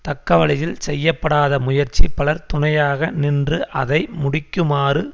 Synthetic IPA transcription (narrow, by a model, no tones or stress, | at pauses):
t̪ɐkːɐʋɐɭɪjɪlsɛjːɐpːɐɽaːðɐmʊjɐɾt͡ʃːipɐɭɐɾt̪ʊɳɐjaːɣɐnɪndrɯʔɐðɐɪmʊɽɪkːɯmaːrɯ